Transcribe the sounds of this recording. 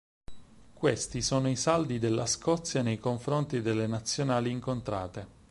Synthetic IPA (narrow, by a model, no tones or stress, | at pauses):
kwest̪isoːnoisald̪id̪elːaskɔt̪sːjanejkoɱfɾont̪id̪elːenat̪sːjonaːliːŋkont̪ɾaːt̪e